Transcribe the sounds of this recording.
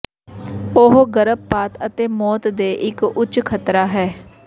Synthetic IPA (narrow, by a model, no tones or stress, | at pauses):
oɦɡəɾəb̚paːt̪ət̪eːmɔːt̪d̪eːʔɪkʊt͡ʃkʰət̪ɾaːɦɛː